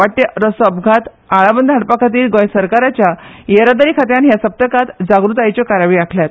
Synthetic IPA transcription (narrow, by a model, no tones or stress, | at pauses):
ʋaʈːeɾəsəbɡʱat̪ | aɭabənd̪ʱaɽpakʰat̪iːɾɡɔ̃jsəɾkaɾat͡ɕjajeɾad̪əɾiːkʰat̪̬janɦjasəp̚t̪əkat̪d͡zaɡɾut̪ajt͡ɕɔkaɾaʋiːakʰljat̪